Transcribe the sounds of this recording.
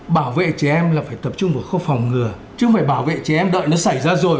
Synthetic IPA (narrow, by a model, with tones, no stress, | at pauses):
ɓaː˧˩wvḛ˧˨t͡ɕɛ˨˩ʔɛ˧mlaː˨˩faː˧˩jt̪ə˨˩p̚t͡ɕʊ˧ŋ͡mvə˨˩jxo˧fɔ˨˩wŋ͡mŋɨ˨˩ə | t͡ɕɨ˧˦ŋfaː˧˩jɓaː˧˩wvḛ˧˨t͡ɕɛ˧˨˩ʔɛ˧mɗə̰ː˧˨jnɔ˨˦sa˧˩jzaː˧zo˨˩j